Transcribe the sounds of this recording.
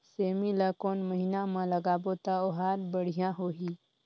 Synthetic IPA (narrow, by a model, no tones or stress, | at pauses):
seːmilakoːnməɦinamãləɡaːbot̪aoɦaːɾbəɽ̤ijãɦoːɦi